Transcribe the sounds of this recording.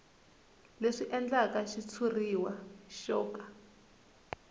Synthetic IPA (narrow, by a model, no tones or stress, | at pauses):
leʂiʔɛnd͡ɮakaʃit͡sʰuriwaʃɔːkʼḁ